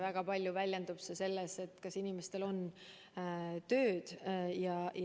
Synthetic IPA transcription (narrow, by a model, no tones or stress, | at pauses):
væɡ̥ɑpɑlʲjuvælʲjend̪ub̥sese̞lːese̞t̪ːˑkɑsinimest̪e̞lo̞n | t̪ø̞ːd̪̥jɑj